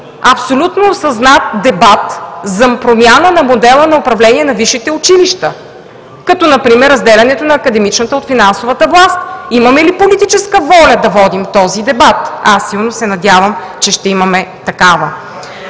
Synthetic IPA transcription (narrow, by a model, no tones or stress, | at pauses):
ɐpsolʲut̪noːsɐznat̪̚d̪ɛbat̪zɐpɾomʲjanənɐmod̪ɛlˠənɐopɾɐvlɛniɛnɐviʃit̪ɛʊt͡ʃiliʃt̪ə | kɐt̪ɔnɐpɾimɛɾːɐzd̪ɛlʲɐnɛt̪onɐːkɐd̪ɛmit͡ʃnət̪əot̪finansovət̪əvlˠast̪imɐmɛlipolit̪it͡ʃɛskəvɔlʲəd̪ɐvɔd̪imt̪ɔzid̪ɛbat̪asːilˠnosɛnɐd̪ʲjavəm | t͡ʃɛʃt̪ɛimɐmɛt̪ɐkavə